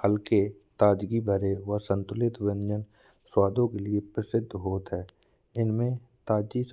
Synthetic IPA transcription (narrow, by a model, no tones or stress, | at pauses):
həlke | t̪aːd͡ʒɡibʱəɾeʋəsə̃nt̪ʊlɪt̪wɪnd͡ʒən | swaːd̪õkeliepɾɪsɪd̪ʱːɦoːt̪ɦɛː | ɪnmẽ | t̪aːd͡ʒis